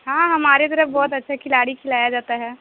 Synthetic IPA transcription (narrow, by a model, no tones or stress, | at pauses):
ɦãːɦɐmaːɾet̪əɾəfbɔːt̪ɐtːʃʰakʰɪlaːɽikʰɪlaːjad͡ʒaːt̪aɦɛː